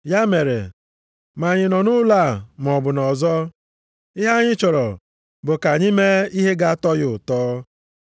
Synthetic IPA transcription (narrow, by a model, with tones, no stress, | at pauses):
ja˦me˨ɾḛ˨ | ma˨ɲɪ˨nɔ˨nʊ˦la˦˨m˨ɔ˨bʊ˨nɔ˨zɔ˦ | ɪ˦ɦa˦ɲɪ˦t͡ʃɔ˨ɾɔ˨ | bʊ˨ka˨ɲɪ˦me˦i˦ɦe˦ɡa˦tɔ˦jʊ˨tɔː˦